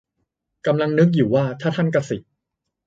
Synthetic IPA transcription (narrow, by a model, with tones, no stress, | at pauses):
ka˧mla˧ŋnɯ˦˥k̚juː˨˩waː˥˩t̪ʰaː˥˩t̪ʰa˥˩nka˧si˨˩ʔ̚